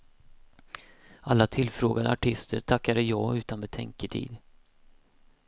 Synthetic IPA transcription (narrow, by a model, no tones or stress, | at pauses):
alːat̪ʰɪlːfɾoːɡad̪ə̰aʈʰɪst̪ʰəɾʈ̪ʰakːad̪əjɑːʉ̟ːt̪anbɛt̪ʰɛ̰ŋkəʈʰḭːd̪